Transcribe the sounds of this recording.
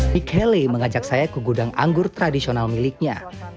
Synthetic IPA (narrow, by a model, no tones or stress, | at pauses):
mikʰɛliməŋad͡ʒak̚sajakəɡudaŋa̰ŋɡʊrt̪ɾadisionalmilɪk̚ɲa̰